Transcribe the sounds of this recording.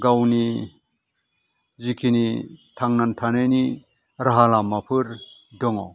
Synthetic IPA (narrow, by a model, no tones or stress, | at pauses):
ɡawni | zikʰinitʰaŋnantʰanajni | ɾaɦalamːapʰɯɾdɔŋɔ̰